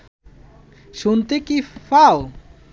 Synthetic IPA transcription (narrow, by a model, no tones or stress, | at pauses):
ʃunt̪ekifao